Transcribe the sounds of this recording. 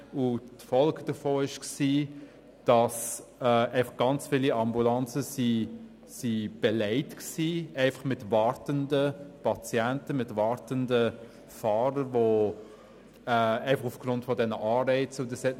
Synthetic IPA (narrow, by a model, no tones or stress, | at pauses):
ʊtfɔlɡd̥əfoːɪʃksiː | d̥ɑsɛɛɪfɑχɡ̥ɑnt͡sfiliɑmbulɑnt͡səsi | sib̥ɛlɛɪtksiːɛɪfɑχmɪtvɑɾtəndəpʰɑt͡sjɛntəmɪtvɑɾtəndə | fɑːɾəɾvo | ɛɛɪfɑχʊfɡ̥ɾʊntfɔdɛnəʔɑːbɛɪt͡sʊdəsɛt